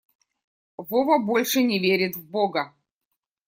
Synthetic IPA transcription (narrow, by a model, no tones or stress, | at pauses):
vɔvɐbolʲʂɨnʲɪvʲeɾʲɪt̪vboɡɐ